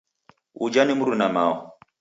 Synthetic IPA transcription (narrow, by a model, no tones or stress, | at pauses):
ṵd͡ʒanimuɾunamaɔ